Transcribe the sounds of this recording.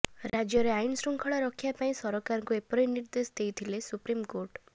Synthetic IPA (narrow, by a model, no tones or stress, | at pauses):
ɾad͡ʒjɔɾeajinsɾuŋkʰɔɭɔɾɔkʰjapaĩsɔɾɔkaɾɔŋkuepɔɾiniɾd̪esd̪ejt̪ʰilesupɾimkoɾʈ